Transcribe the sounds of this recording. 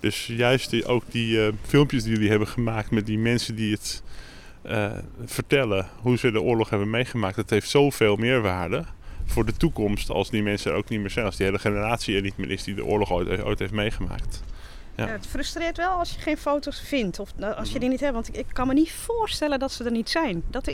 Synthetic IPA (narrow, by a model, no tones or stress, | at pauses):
d̥øsjœɥstʔo̰wk̚difɪlˠmpjəsdijɵliɦɛbənχəmaːk̚tmɛt̚dimɛnsəndiət | əfəɹtɛlə | ɦuzədəʔʊːɹlɔχɦɛbənmejχəmaːk̚tətɦejftsowveːlˠmɪːɹʋaːɹdəv̥ʊːɹdətukɔmstɑ̰lˠsdimɛnsəɾo̰ʊwknit̚mɪːɹz̥ɛjnɑlˠsdiejləχenəraːtsienitmənʔɪsdidə̰ʔʊ̰ːɹlɔχo̰jteo̰jtɦeftmejχəma̰ːkt | jaətfrɵstrɪːtʋɛlˠɑlˠsjəχejnfowtosfɪntʰɔfɑsjədinitɦɛpʋɑntɪkːɑnmənitfʊːstɛləndɔtsədərnitsɛjndɔt